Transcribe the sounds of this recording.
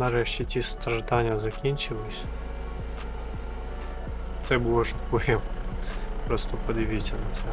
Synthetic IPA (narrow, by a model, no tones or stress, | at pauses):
nɐɾɛʃt͡ʃʲit͡sʲist̪ɾɐʒd̪ɑnʲːɐzɐkʲinʲt͡ʃɪlˠɪsʲ | t̪sɛbulˠɔʒɐkɛm | pɾɔst̪ɔpɔd̪ɪʋɪsʲɐnɐt̪sɛ